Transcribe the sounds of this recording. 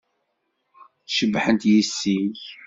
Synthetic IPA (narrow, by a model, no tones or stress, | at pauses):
θʃəbːħənt̪jisːiʝ